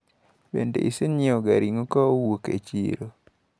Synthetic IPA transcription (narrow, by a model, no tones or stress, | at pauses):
bḛndḛʔiseɲioɡaɾiŋokɔwokḛt͡ʃḭɾo